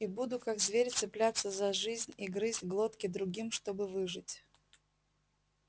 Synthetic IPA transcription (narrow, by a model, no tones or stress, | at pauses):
ibud̪ʊkaɡzvʲeɾʲt̪sɨplʲat̪sːəzɐʐɨzʲnʲiɡɾɨzʲtʲɡlˠo̞t̪kʲɪd̪ɾʊɡʲimʂt̪o̞bɨvɨʐɨtʲ